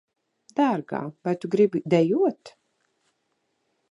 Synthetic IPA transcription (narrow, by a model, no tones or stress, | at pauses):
d̪̥aɾɡa̰ːvajt̪uɡɾibid̪ɛjuɔt̪